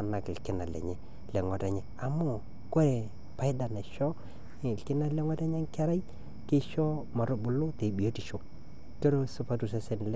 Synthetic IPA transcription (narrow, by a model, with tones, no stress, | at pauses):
na˨kɪ˨lkɪ˦na˨lɛ̰˨ɲɛ˨ | lɛ˨ŋɔ˨ta˨ɲɛ˨a˨mʊ˦˨ | ko˦ɾɛ˨ | pa˨˦ɪ˦da˨na˨ʃɔ˦˨ | lkɪ˦na˦lɛ˦ŋɔ˦ta˦ɲɛ˦ŋ˦ka˦ɾa˦i˦ | kɪ˦ʃɔ˦ | ma˨ɾo˦bʊ˨lʊ˦te˨bi˨o˦ti˨ʃo˨ | to˦ɾo˦sʊ˦pa˦tu˨s̬ɛ˦sɛ˨n˨l